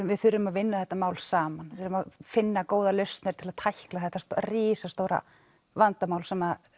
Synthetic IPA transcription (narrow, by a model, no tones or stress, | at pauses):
vɪðθʏɾːʏmaðvɪnːaθɛht̪ːamaːwlsaːmanvʏɾʏmaðfɪnːakoːwðalœɥst̪nɪɾ̥t̪ʰɪlaðt̪ʰajhklaθɛht̪ːast̪riːsast̪oːwɾa̰ | vant̪amaːwlsɛma